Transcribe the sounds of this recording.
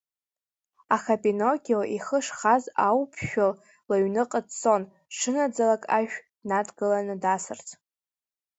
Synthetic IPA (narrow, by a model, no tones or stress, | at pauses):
aχapʼinokʲʼioʔiχəʂχazawpʰʃᶣal | laɥnɨqʼətt͡sʼo̞n | ʂɨnad͡zalakʼaʒᶣʷdnadɡɨlanɨdasɨrt͡sʰʼ